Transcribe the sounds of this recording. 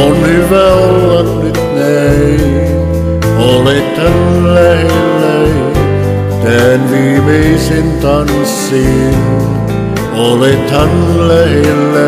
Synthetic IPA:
onhyʋæolːɑt̪nyt̪nei | olet̪hɑnlæhelːæ | t̪æːnʋiːʋeisent̪ɑn | sːiːn | olet̪hɑnlæhelːæ

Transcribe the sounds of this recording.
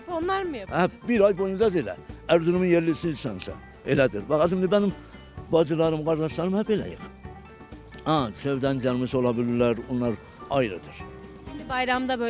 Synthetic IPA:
onlˠɑɾmhæbiɾɑjbojund̪ɑd̪elæ̰æɾzunuminjeɾlisinsænsɑ̰ | elæd̪iɾbɑxɑzimd̪ibænim | bɑd͡ʒɯlˠɑɾɯmɡɑɾd̪ɑʃlˠɑɾɯmhæpelæ̰jḭχ | ɑt͡ʃʰøvd̪ænd͡ʒɑɾmɯsolˠɑbiliɾlæɾonːˠɑɾ | ɑjɾɯ̰d̪ɯɾ̥ | bɑjɾɑmd̪ɑbø

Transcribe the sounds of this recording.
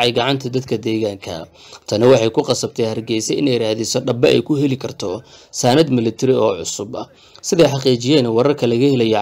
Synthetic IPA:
ʕɑjɡɑʕɑnt̪ʰɐd̪ɐd̪kʰɐd̪ɛːɣaːŋkʰɐ̰ | t̪ʰɐnɐwɑħɑjkʰʊqɑsɐb̚t̪ʰɛjhɐrɡɛjsɛɪnɛjɾaːhðɪsɔɖɐbɐɛ̰jkʰʊɦɛlɪkʰɐrt̪ʰɔsaːnɐd̪mɪlɪt̪ʰɪɾɪɔːʕʊsʊbɐ | sɪðɛjħɑqiːt͡ʃɪjɛːnɐwɑɾɐrkʰɐlɐɣɐhɛlɐjɔ

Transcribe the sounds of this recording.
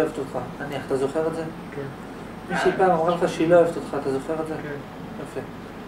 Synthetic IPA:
evt̪ot̪χaaniaχat̪azo̞χeʁetze | ken | miʃepaːmamʁalχaʃiloevt̪ot̪χaat̪azoχeʁetzek | jafe

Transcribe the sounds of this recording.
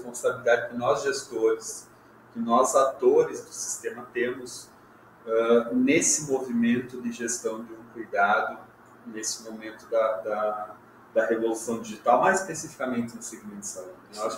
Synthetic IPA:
espõsabilid̪ad͡ʒɪkɪnɔzʒest̪oɾɪs | kɪnɔzat̪oɾɪzd̪ʊsi̥st̪ẽmɐt̪ẽmʊs | ɛnesɪmovimẽnt̪ʊd̪ɪʒest̪ɐ̃w̃d͡ʒ̪ɪũkujd̪ad̪ʊ | nesɪmomẽnt̪ʊd̪ɐd̪ɐ | d̪̥ɐhevolusɐ̃w̃d͡ʒ̪iʒit̪awmajzɪspesifi̥kamẽnt̪ɪnʊseɡimẽnʊsaud͡ʒaʃ

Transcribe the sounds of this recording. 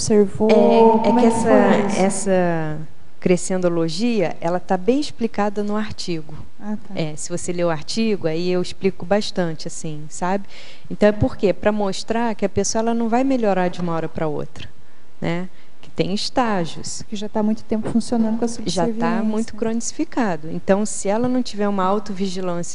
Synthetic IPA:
obseɾvoɛɛɪɛsɐɛsɐ | kɾesẽnd̪oloʒiɐʔɛlɐt̪abẽj̃ɪsplikad̪ɐnʊaɾt͡ʃiɡʊ | at̪aɛsɪvoseleʊaɾt͡ʃiɡʊaiewɪsplikʊbaʃt̪ɐ̃t͡ʃɪasĩsabɪ | ẽnt̪ɐ̃w̃ɛpoɾkepɾɐmoʃt̪ɾaɾkɪɐpesoɐɛlɐnɐ̃w̃vajmeʎoɾaɾd͡ʒɪũmɐɔɾɐpɾɐo̰t̪ɾɐ | nʔɛ | kɪ̥t̪ẽj̃ɪʃt̪aʒʊ̰skɪʒat̪amũj̃t̪ʊ̥t̪ẽmpʊfũsionɐ̃nd̪ʊkɐsuʒavamũj̃t̪ʊkɾõnisi̥fikad̪ʊḛ̃t̪ɐ̃w̃sɪɛlɐnɐ̃w̃t͡ʃivɛɾũmɐawt̪ʊviʒilɐ̃sjɐ

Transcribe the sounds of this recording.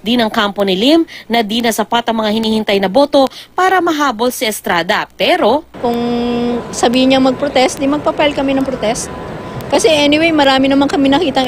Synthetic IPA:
d̪inɐŋkampo̞nɪlimnɐd̪inɐsɐpat̪ɐŋmɐŋahɪniːhɪnt̪ajnɐbo̞ːt̪opaːɾɐmɐɦaːbo̞lsɐʔɛst̪ɾaːd̪ɐpɛːɾokʊŋ | sɐbiːhɪɲɐŋmɐɡ̚pɾot̪ɛst̪̚d̪imɐɡ̚papɐalkɐmɛnɐŋpɾot̪ɛst̪̚ | kɐsɛʔɛnɪwejmɐɾaːmɪnɐmaŋkɐmɪnɐkiːt̪ɐŋ

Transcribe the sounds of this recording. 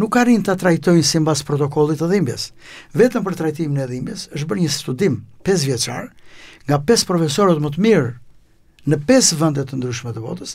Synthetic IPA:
nukːarint̪at̪ɾajt̪ɔjnsimbaspɾɔt̪ɔkɔlˠit̪əðimbjɛ̰s | vɛt̪əmpəɾt̪ɾajt̪iminɛðˠimbjɛsəʃ̬t̪̚bəɾɲəst̪ud̪impɛs̬vjɛt͡ʃa̰ɾŋɡapɛspɾɔfɛsɔɾət̪mət̪əmiɾ | nəpɛsvɛnd̪ɛt̪ənd̪ɾyʃmɛt̪əbɔ̰t̪əs

